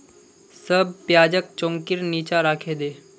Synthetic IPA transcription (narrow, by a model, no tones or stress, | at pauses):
səb̚pjaːd͡ʒək̚t͡ʃõːŋkɪɾniːt͡ʃaɾaːkʰeːd̪eː